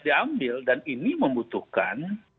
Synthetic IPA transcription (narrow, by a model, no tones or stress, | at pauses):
diambɪldaniniməmbut̪uhka̰n